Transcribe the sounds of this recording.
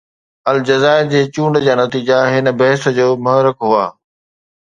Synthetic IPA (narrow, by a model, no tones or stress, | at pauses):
ɐld͡ʑɐzaːɪɾd͡ʑeːt͡ɕũːɳɖd͡ʑaːnɐt̪iːd͡ʑaɦɪnə̆bɐɦɪsə̆d͡ʑoːmʊɦɾɪkɦuaː